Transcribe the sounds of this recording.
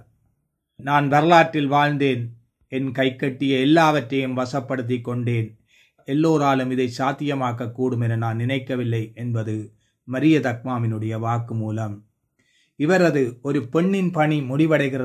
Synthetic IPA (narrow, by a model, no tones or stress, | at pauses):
naːnʋɐɾɐlaːʈːɪlʋaːɻnd̪eːn | ɛnkɐɪkːɐʈːɪjɐɛlːaːʋɐʈrɐjɯmʋɐsɐpːɐɽɯt̪̬ːɪkːɔɳɖeːn | ɛlːoːɾaːlɯmɪðɐɪt͡ʃaːt̪ːɪjɐmaːkɐkːuːɽɯmɛnɐnaːnnɪnɐɪkːɐʋɪlːɐɪʔɛnbɐðɯ | mɐɾɪjɐt̪ɐk̚maːmɪnɯɽɐjɐʋaːkːɯmuːlɐm | ɪʋɐɾɐðɯɔɾɯpɛɳːɪnpɐɳimʊɽɪʋɐɽɐɪɣɪrɐ